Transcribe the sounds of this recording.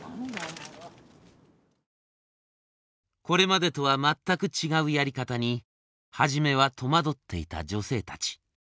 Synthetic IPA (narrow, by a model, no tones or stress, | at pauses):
ko̞ɾe̞mad̪e̞t̪o̞βamat̪ːakɯ̟t͡ɕiɡaɯ̟jaɾʲikat̪aɲ̟i | haʑime̞βat̪ʰo̞mad̪o̞t̪ːe̞ḭt̪a̰d͡ʑo̞se̞ːt̪ḁt͡ɕi̥